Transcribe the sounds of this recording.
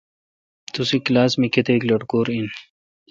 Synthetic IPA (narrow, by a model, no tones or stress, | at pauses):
t̪usiklaːsmiket̪eklɐʈkoːɾin